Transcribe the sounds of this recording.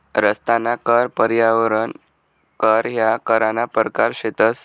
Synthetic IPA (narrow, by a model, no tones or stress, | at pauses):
ɾəst̪anakəɾpəɾjaʋɾən | kəɾɦjakəɾanapəɾkaɾɕet̪əs